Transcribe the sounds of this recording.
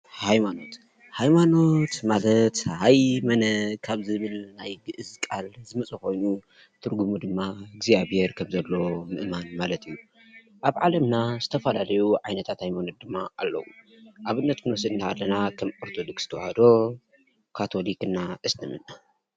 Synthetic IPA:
hajmano̞t̪ | hajmano̞t̪malɐt̪hajmɐnɐkʰaβzɨβɨlnajɡɨʔɨzkʼalzɨmɐt͡sʼɐko̞jnu | t̪ʰɨɾɡumud̪ɨmːaɡzijaβheɾkʰɐmzɐlːomɨʔmanmalɐt̪ʰɨjːu | ʔaβʕalɐmnazɨt̪ʰɐfɐlalɐjuʕajnɐt̪ʰat̪hajmanot̪̚d̪ɨmːaʔalːɐ̰wu | ʔaβɨnːɐt̪kɨnɔsɨd̪ɨnːaa̰lːɐnakʰɐmʼoɾt̪ʰod̪okst̪ʰɐwa̰had̪o̞ | kʰat̪ʰo̞likɨnːaʔɨst̪ʰɐmɨna

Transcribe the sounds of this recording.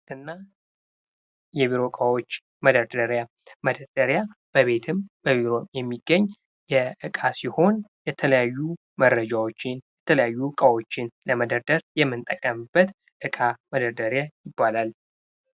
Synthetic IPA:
ʔɨnːa | jɛβiɾo̞kʼəwo̞t͡ʃː | məd̪əɾd̪əɾja | məd̪əɾd̪̥əɾjab̥əβe̞t̪ʰɨmbəβiɾo̞jɛmːiɡːəɲː | jɛʔɨkʼasiho̞njɛt̪ʰələjajːu | mərːəd͡ʒawot͡ʃːɪnjɛt̪ʰələjajːukʼəwo̞t͡ʃːɪnləməd̪əɾd̪əɾjɛmːɨnt̪ʼəkʼːəmb̥ːət̪ | ʔɨkʼaməd̪əɾd̪əɾjajɪbːalal

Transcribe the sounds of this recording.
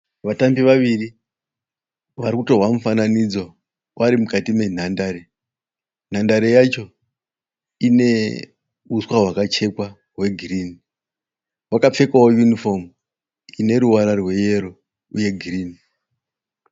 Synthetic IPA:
ʋatambiʋaʋiri | ʋaɾikuto̞ɦwamufananid͡zo | wʔaɾimukatime̞n̤andaɾe̞ | n̤andaɾe̞jat͡ʃo̞ | ine̞ | uswaɦwakat͡ʃe̞kwa | ɦwe̞ɡʱiriːni | wakap͡fe̞kawojunifo̞m | ine̞ɾuwaɾarwe̞je̞ɾo̞ | uje̞ɡʱiriːni

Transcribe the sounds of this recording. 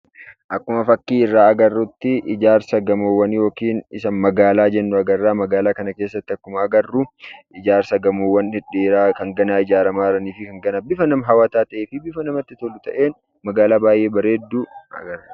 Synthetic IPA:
ʔɐkːʊmɐfɐkːiːɪrːaːɐɡɐrːʊt̪ːɪʔɪd͡ʒaːɾsɐɡɐmoːwːɐnjo̞ːkiːnɪsɐnmɐɡaːlaːd͡ʒɛnːʊɐɡɐrːaːmɐɡaːlaːkɐnɐke̞ːsːɐt̪ːɪɐkːʊmɐːɡɐrːʊʔɪd͡ʒaːɾsɐɡɐmoːwːɐnhɪᶑeːɾaːkɐŋɡɐnaːɪd͡ʒaːɾɐmaːɪɾɐniːfɪkɐŋɡɐnabɪfɐnɐmɐɦɐwaːt̪aːt̪ɐʔeːfɪbɪfɐnɐmɐt̪ːɪt̪olːʊt̪ɐʔe̞ːn | mɐɡaːlaːbaːjʔe̞ːbɐɾe̞ːd̪ːuɐ̰ɡɐɾ

